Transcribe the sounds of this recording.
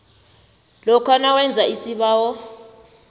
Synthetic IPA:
lɔkʰanawɛnd͡zʱaisiɓaːwɔ

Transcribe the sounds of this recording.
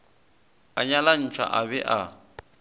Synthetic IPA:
aɲalan̩t͡ʃʰa̰ʔabɛʔa

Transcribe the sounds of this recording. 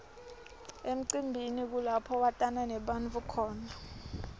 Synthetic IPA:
em̩ǀimbʱinik̬ulapʰɔwatʼanɛnɛɓanvukʰɔːna

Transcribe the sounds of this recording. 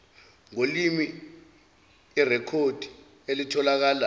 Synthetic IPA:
ŋolimi | rɛkʰod̥ʱi̥ | elitʰɔlak̬aːla

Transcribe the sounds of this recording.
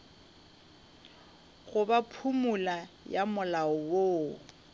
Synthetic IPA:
ɣʊbapʰumula | jamʊlaʊwoː

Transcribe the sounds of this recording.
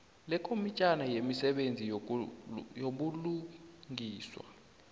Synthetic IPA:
lɛkʼomit͡ʃʼanajemisɛɓend͡zʱi | joɓuluŋʱiːswa̰

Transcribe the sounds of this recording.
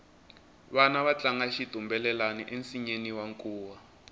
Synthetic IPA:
βanaβat͡ɬaŋɡaʃitumbɛlɛlaniʔensiɲeniwaŋkʼuːwa

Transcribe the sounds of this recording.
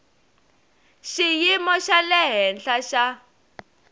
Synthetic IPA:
ʃijimɔʃalɛɦɛnɬaʃa

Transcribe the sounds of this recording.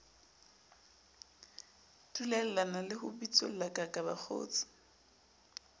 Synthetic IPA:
tʼulɛl̩lanalɪhʊbit͡sʼo̰l̩akʼakʼaba̰k͡xʰo̰ːt͡sʼɪ̥

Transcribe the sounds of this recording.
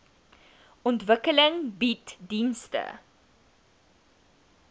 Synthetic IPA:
ɔntvəkələŋbitdinstə̰

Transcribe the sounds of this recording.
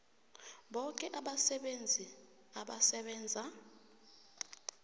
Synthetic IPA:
ɓɔkʼɛʔaɓasɛɓend͡zʱi | aɓasɛɓɛːnd͡zʱa

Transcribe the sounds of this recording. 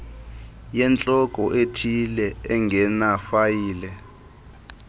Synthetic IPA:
jɛnt͡ɬʼɔkʼɔʔetʰilɛɛŋɡʱɛnafajiːlɛ

